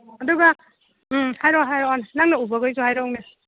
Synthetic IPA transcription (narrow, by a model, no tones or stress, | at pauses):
aduɡa | hajɾɔɦajɾɔannaŋnaubaɡɯjzuhajɾɔŋnɯ